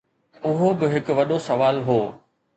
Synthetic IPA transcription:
ʊɦobɪɦɪkʊ̆ʋɐɗosɐʋaːlɦoː

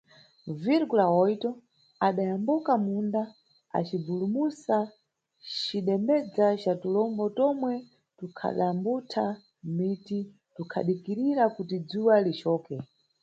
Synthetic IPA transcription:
viɾɡulaɔitɔ | aɗajambukamunda | a̰t͡ʃibulumusa | t͡ʃiɗɛmɛd͡zat͡ʃatulɔmbɔtɔmwɛ | tukʰa̰ɗambutʰa | miti | tukʰa̰ɗikiɾiɾakutid͡zuwalit͡ʃɔːkɛ

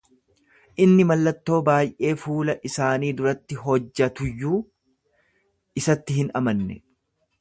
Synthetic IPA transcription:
ʔɪnːɪmɐlːɐt̪ːo̞ːbaːjʔe̞ːfuːlɐʔɪsaːniːd̪ʊɾɐt̪ːɪɦɔd͡ʒːɐt̪ʊjːuː | ɪsɐt̪ːɪhɪnɐ̰mɐnːɛ̰

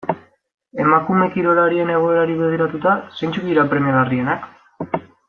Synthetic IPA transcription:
e̞makume̞kiɾo̞laɾie̞ne̞ɣ̞o̞e̞ɾaɾiβeð̞iɾat̪ut̪asejnt͡ʃukðiɾapɾe̞miaɣarie̞nak

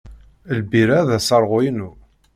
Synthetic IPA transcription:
əlbiɾæðæsəɾˤʁojnu

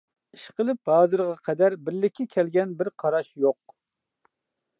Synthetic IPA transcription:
iʃqəlˠɨp̚hɑːzɨɾʁɑqʰɛd̪æɾbɪɾlɪkʲʰːɛkʲʰɛlɡʲɛnbɪɾqʰɑɾɑʃjoq̚

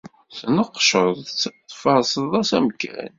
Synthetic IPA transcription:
θnəqːʃəɾðˤt͡sːt̪ːˤfɑɾˤsəðˤæsæməkːæ̰n

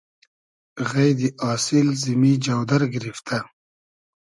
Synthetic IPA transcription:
ɣɐjd̪iʔɑːsɪlzimid͡ʒawd̪ɐɾɡɾift̪ʰa

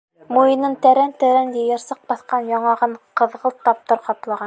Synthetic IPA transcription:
mujɤ̆nɤnt̪æɾænt̪æɾænj̪ɘjɤ̆ɾsɤq̚bɑθqɑnjɑɴɑʁɤɴqɤ̆ðʁɤlˠt̪ːɑp̚t̪ɤɾqɑplˠɑʁɑn

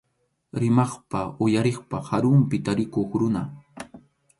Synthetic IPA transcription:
ɾɪmɑχpaʊjaɾeχpahaɾʊmpɪt̪aɾɪkoχɾʊna

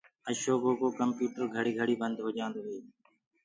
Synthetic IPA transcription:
əʃoːɡoːkoːkəmpjuːʈəɾɡʱəɽiːɡʱəɽiːbənd̪ʱɦoːd͡ʒãːnd̪oːʋeː

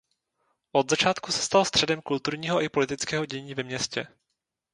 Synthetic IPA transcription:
ʔod̪zat͡ʃaːt̪kusɛ̥st̪alst̪r̥ɛdɛmkult̪uɾɲiːɦoʔɪpolɪt̪ɪt͡skɛːɦo̞ɟɛɲiːvɛmɲɛscɛ

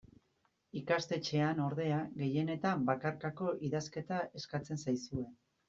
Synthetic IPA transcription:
ikast̪e̞t͡ʃe̞ano̞ɾðe̞aɣe̞je̞ne̞t̪ambakaɾkako̞ʔiðaske̞t̪ae̞skat͡se̞nsajsue̞n

